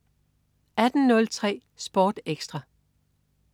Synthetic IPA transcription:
æd̥n̩nɔ̽lt͡sʰʁɛ̰ː | sb̥ɒːd̥eɡ̥sd̥ʁɑ̈

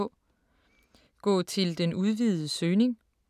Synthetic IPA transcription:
ɡ̥ɔ̰̽ːt͡sʰe̝ld̥enuð̞ˠʋið̩ˠəsøːne̝ŋ

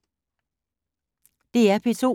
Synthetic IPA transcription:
d̥e̝æɐpʰeso̝̰

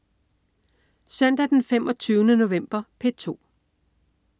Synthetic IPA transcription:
sœn̰d̥æd̥enfem̰ʔɒ̽t͡sʰyːʊnəno̝ʋem̰b̥ɐpʰe̝t͡sʰo̝̰ː

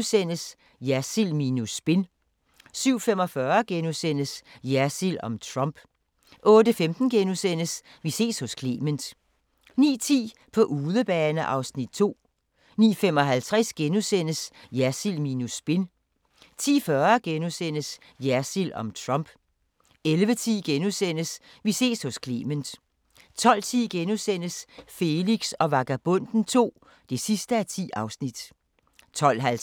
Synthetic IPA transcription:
sen̰əs | jæɐsilmiːnusb̥e̝n | syʊ̰fem̰ɒ̽fɶɐɡ̥enusen̰əsjæɐsilɒ̽mt͡sʰʁɑmb̥ | ʔɔ̽ːdəfemd̥n̩ɡ̥enusen̰əs | ʋise̝̰ːshɔ̽skʰleːmənd̥ | nḭːt͡sʰḭːpʰɒ̽ʔuːðˠəb̥ɛːnəʔɑ̈ʊsnid̥̚t͡sʰo̝̰ː | nḭːfem̰ɒ̽ɦælt͡sʰʁɛsɡ̥enusen̰əsjæɐsilmiːnusb̥e̝n | t͡sʰḭːfɶɐɡ̥enusen̰əs | jæɐsilɒ̽mt͡sʰʁɑmb̥ | elʋət͡sʰḭːɡ̥enusen̰əs | ʋise̝̰ːshɔ̽skʰliːmənd̥ | t͡sʰɒ̽l̰t͡sʰḭːɡ̥enusen̰əsfe̝liɡ̥sɒ̽ʋɑ̈ɡ̥æb̥ɔ̽n̰d̥n̩t͡sʰo̝̰ː | d̥e̝sisd̥əæt͡sʰḭːɑ̈ʊsnid̥ | t͡sʰɒ̽l̰ɦæl

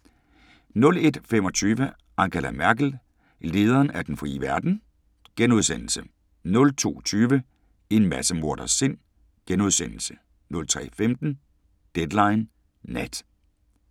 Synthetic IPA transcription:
nɔ̽le̝d̥fem̰ɒ̽t͡sʰyːʋə | ʔɑ̈ŋɡ̥əlæmæɐɡ̥l̩ | le̝ːð̞ˠɐːnæd̥enfʁḭːəʋæɐd̥n̩ | ɡ̥enuð̞ˠsen̰l̩sə | nɔ̽lt͡sʰo̝̰ːt͡sʰyːʋə | e̝nmæsəmo̝ɐ̰d̥ɐse̝n̰ | ɡ̥enuðˠsen̰l̩sə | nɔ̽lt͡sʰʁɛ̰ːfemd̥n̩ | d̥ed̥lɑ̈ɪnː | æd̥

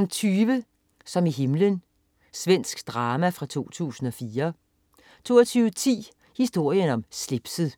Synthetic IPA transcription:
mt͡sʰyːʋə | sɒ̽miɦe̝mlən | sʋen̰sɡ̥d̥ʁɑ̈ːmæfʁɑ̈t͡sʰo̝̰ːt͡sʰṵːsn̩ɒ̽fiːɐ | t͡sʰo̝̰ːɒt͡sʰyːʋət͡sʰḭː | hisd̥o̝ɐ̰jənɒ̽msle̝b̥səð̩ˠ

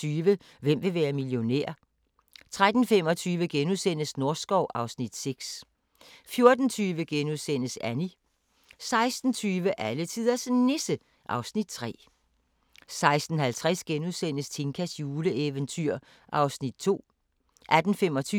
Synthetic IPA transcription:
yːʋə | ʋem̰ʋe̝ʋæːɐmiljo̝nḛɐ̰ | t͡sʰʁad̥n̩fem̰ɒ̽t͡sʰyːʋəɡ̥enuðˠsen̰əsno̝ɐsɡ̥ɒʊʔɑ̈ʊsnid̥seɡ̥s | fjo̝ɐd̥n̩t͡sʰyːʋəɡ̥enuðˠsen̰əsæni | sɑ̈ɪsd̥n̩t͡sʰyːʋəʔælət͡sʰið̰ˠɐsnesə | ʔɑ̈ʊsnid̥̚t͡sʰʁɛ̰ː | sɑ̈ɪsd̥n̩hælt͡sʰʁɛsɡ̥enuðˠsen̰əst͡sʰe̝ŋkʰæsjuːləeʋənt͡sʰyɐ̰ | ʔɑ̈ʊsnid̥̚t͡sʰo̝̰ː | ʔæd̥n̩fem̰ɒ̽t͡sʰyː

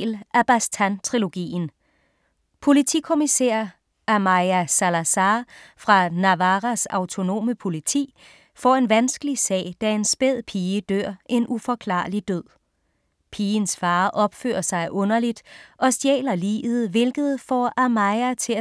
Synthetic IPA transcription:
lʔæb̥æst͡sʰænt͡sʰʁilo̝ɡ̥ḭːn | pʰo̝lit͡sʰikʰo̝miseːɐ | ʔæmɑɪæsælæsɑːfʁɑ̈nɑʋɑʁæsɑ̈ʊt͡sʰo̝no̝̰ːməpʰo̝lit͡sʰḭː | fɒ̰ːe̝nʋænsɡ̥əlisɛ̰ːɪd̥æe̝nsb̥eð̞̰ˠpʰiːəd̥øɐ̰ʔe̝nʔufɒ̽kʰlɑ̰̈ːlid̥øð̰ˠ | pʰiːənsfɑ̈ːʔɒ̽b̥fø̰ːɐsɑ̈ɪʔɔ̽nɐlid̥ʔɒ̽sd̥jḛːlɐlḭːʋð̞̩ˠʋe̝lɡ̥ð̞̩ˠfɒʔæmɑɪæt͡sʰe̝æ

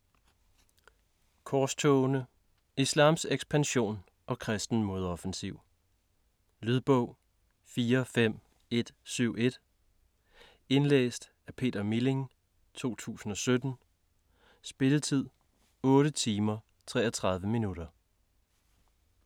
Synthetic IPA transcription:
kʰɒːst͡sʰɔʊnə | islɑ̰̈ːmseɡ̥sb̥ænɕo̝̰ːn | ʔɒ̽kʰʁɛsd̥n̩mo̝ð̞ˠɒ̽fensiʊ̰ | lyð̞ˠb̥ɔʊ̰ | fiːɐfem̰ | e̝d̥syʊ̰e̝d̥ | e̝nlḛːsd̥ | æpʰe̝̰ːd̥ɐmile̝ŋ | t͡sʰo̝̰ːt͡sʰṵːsn̩ɒ̽sød̥n̩ | sb̥e̝lət͡sʰið̞̰ˠ | ɔ̽ːɾət͡sʰiːmɐ | t͡sʰʁɛ̰ːɒt͡sʰʁɑ̈ð̞ˠʋəminuɾ̥ɐ

